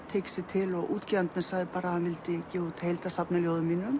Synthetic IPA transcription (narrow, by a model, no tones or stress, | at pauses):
t̪ʰejksɪt̪ʰɪlɔɣʔuːt̪ciant̪mɛðsaɣðɪpaːɾahanvɪlt̪ɪcɛːut̪hejlt̪asapnaljoːwðʏmːiːnʏm